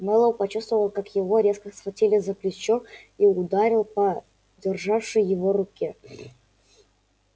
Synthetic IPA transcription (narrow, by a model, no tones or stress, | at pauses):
mɛlˠəwpɐt͡ɕust̪vəvəlˠkakjɪvoɾʲe̞skəsfɐtʲilʲɪzəklʲʊt͡ɕːoiʊd̪aɾʲɪlˠpə | dʲɪrʐafʂəjːɪvorʊkʲe